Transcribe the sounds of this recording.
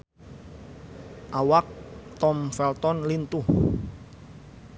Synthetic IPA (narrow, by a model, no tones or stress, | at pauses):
ʔawak̚t̪ɔmfɛlt̪ɔnlint̪u